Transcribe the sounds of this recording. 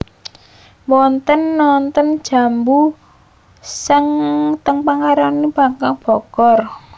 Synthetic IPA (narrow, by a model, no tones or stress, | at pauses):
wɔnt̪ənːɔnt̪ənd̥ʒ̥a̤mbu | sɪŋt̪əŋpaŋaɾanib̥a̤kaŋb̥ɔkɔr